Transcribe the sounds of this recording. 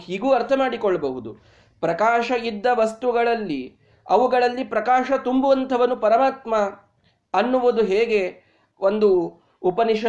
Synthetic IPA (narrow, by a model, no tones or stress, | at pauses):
hiːɡuːɐɾt̪ʰɐmaːɽikɔɭːɐbɐɦud̪u | pɾɐkaːʃɐid̪ːɐʋɐst̪uɡɐɭɐlːi | ɐʋuɡɐɭɐlːipɾɐkaːʃɐt̪umbuʋɐnt̪ʰɐʋɐnːupɐɾɐmaːt̪mɐ | ɐnːuʋud̪uɦeːɡe̞ | ond̪uː | pɐniʃɐ